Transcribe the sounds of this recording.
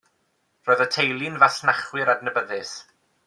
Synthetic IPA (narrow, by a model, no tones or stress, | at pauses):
rɔɨðətʰejlˠɪnvasnaχwɪɾadnəbəðɨs